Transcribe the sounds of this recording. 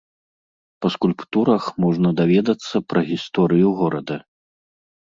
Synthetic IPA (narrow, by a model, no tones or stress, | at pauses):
pɐskulʲpt̪uɾɐxmɔʐnɐd̪avʲɛd̪ɐt̪sːɐpɾɐɣʲist̪ɔɾɨjuɣɔɾɐd̪ɐ